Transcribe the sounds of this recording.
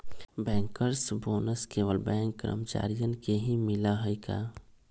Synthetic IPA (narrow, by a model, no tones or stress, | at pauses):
bɛ̃ːŋkəɾsboːnəskeːʋəlbɛ̃ːŋkːəɾə̰mət͡ʃa̰ːɾijənkeɦimɪlaɦəika̰ː